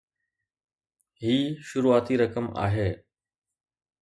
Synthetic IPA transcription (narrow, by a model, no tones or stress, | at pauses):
ɦiːʃʊɾuːaːt̪iɾɐkəma̰ːɦeː